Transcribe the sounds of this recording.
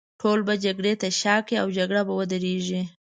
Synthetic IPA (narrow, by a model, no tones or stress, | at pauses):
ʈʰolbad͡ʒaɡɽet̪aʃɑkiawd͡ʒaɡɽabawəd̪əɾeʒi